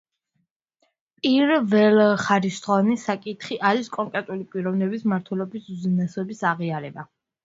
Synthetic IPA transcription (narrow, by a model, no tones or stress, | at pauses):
pʼiɾvɛlχaɾist̪ʼʁɔnisakʼit̪ʰχiʔaɾiskʼɔŋkʼɾɛt̪ʼulipʼiɾɔvnɛbismaɾt̪ʰwɛlɔbisuzinasɔbisaʁiaɾɛba